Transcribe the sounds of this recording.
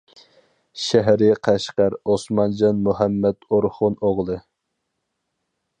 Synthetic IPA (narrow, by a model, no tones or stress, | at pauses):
ʃɛɦɾɪqʰæʃqæɾosmɑnd͡ʒɑnmuɦæmːɛt̪oɾχʊnoʁlˠɨ